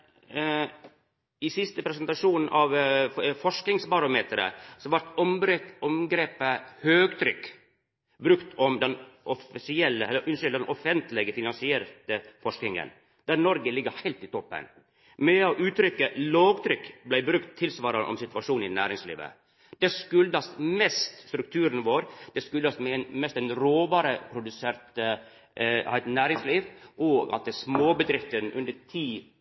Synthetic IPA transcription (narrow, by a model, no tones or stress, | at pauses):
ɪsɪst̪əpʰɾɛsɛnt̪ɑʂuːnn̩ʔɑʋfɔʂknɪŋsbɑɾʊmeːt̪ɾə̰sɔʋæɾʈ̪ɔmɾɔmɡɾeːpəhøːɡt̪ʰɾʏkː | bɾʉkt̪ɔmd̪ɛnʔɔfɪsɪɛlːəɛlːəɾʔʉnsʏld̪ɛnʔɔfɛnt̪lɪɡəfɪnɑnsɪɛɾt̪əfɔʂknɪŋə̰n | d̪æɾnɔɾɡəlɪɡːəɾhæɪlt̪ɪt̪ʰɔpːə̰n | mɛɔʔʉːt̪ʰɾʏkːəloːɡt̪ʰɾʏkːblæɪbɾʉkt̪ʰːɪlsʋɑːɾənʔɔ̰msɪt̪ʋɑʂuːnɪnæːɾɪŋslḭːʋə̰ | d̪̥ɛskʉld̪ɑsmɛst̪st̪ɾʉk̚t̪ʰʉːɾənʋoːɾd̪̥ɛskʉld̪ɑsmɛnmɛst̪ɛnɾoːbɑɾəpʰɾʊd̪ʉseɾt̪ə̰ | hæɪt̪næːɾɪŋsliːʋʔoːɡɑ̰t̪̚ːəsmoːbəd̪ɾɪft̪ənʔʉnd̪ətʰiː